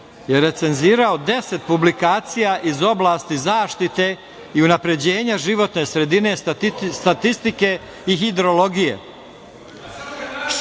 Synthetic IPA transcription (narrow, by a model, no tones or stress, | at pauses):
jeɾe̞t̪se̞nziːɾao̞d̪e̞se̞t̪̚publikaːt̪sijaʔizo̞blˠaːst̪izaːʃt̪it̪e̞ | iunapɾe̞d͡ʑe̞ːɲaʒiʋo̞t̪ne̞sɾe̞d̪ine̞st̪at̪ist̪ike̞ | iɦid̪ɾo̞lo̞ɡijḛ